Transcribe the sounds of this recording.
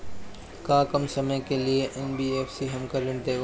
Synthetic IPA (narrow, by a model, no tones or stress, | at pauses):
kãːkɐmsɐməjkelieʔɛnbiːeːfsiɦɐmkɐɾlɪ̃nt̪e